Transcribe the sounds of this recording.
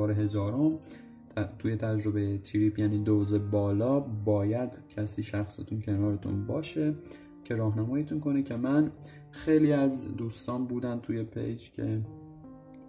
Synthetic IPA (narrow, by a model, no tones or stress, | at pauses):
ɒːɾeɦe̞zɒːɾomʰ | t̪ʰuːje̞t̪ʰæd͡ʒɾo̞bejet̪ʰiɾiːpʰjæːniːd̪ozebɒːlɒːbɒːjæd̪̥cʰæsiːʃæxsḛt̪ʰuncʰe̞nɒːɾet̪ʰṵnbɒːʃe | cʰe̞ɾɒːɦnæmɒːjet̪ʰunkʰo̞necʰemæn | xe̞jliːæzd̪uːst̪ɒːnbuːd̪ænt̪ʰuje̞pʰḛjd͡ʒcʰe̞̰